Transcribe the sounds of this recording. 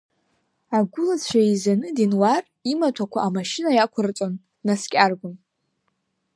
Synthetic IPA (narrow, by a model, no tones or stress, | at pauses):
aɡʷʊlat͡ɕʷʰaizanɨdinwar | imatʷʰakʷʰaʔːmaʃinajakʷʰʊrt͡sʷʼon | naskʲʼarɡʷʊn